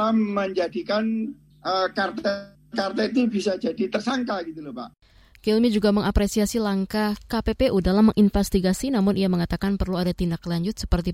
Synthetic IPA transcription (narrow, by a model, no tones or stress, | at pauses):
aməɲd͡ʒadikan | əkart̪ɛ | kart̪ɛt̪ubisad͡ʒadit̪ərsaŋkaɡit̪ulapa̰ʔ | kilmid͡ʒuɡaməŋapɾesiasilaŋkahkapepeʔudalaməŋʔinfɛst̪iɡasinamʊnʔijaməŋat̪akanpərluadat̪indaklaɲd͡ʒʊt̪̚sə̥pərt̪i